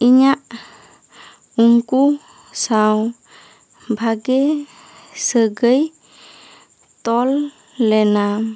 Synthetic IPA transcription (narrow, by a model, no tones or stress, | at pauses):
iɲaʔ | uŋku | saw | bʱaɡɛ | səɡəj | t̪ɔlː | ɛna